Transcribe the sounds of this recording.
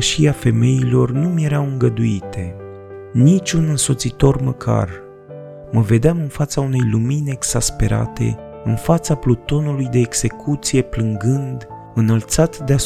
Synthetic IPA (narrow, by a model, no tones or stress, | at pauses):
ʃiafe̞me̞ilo̞rnumje̞ɾawɨŋɡəd̪uit̪ʰe̞ | nit͡ʃʲunɨnso̞t̪sit̪o̞rməkʰa̰r | məve̞d̪eamɨnfat̪saune̞jlumineeɡz̥aspe̞ɾa̰t̪e̞̰ | ɨnfat̪saplut̪o̞nulujd̪e̞ːɡse̞kʰut̪sije̞plɨŋɡɨnd̪ | ɨnəlt̪sat̪d̪ea